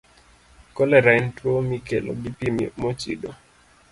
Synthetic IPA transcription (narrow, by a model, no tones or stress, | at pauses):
kɔlɛɾaɪntwomikelo̰ɡipimḭmot͡ʃḭdo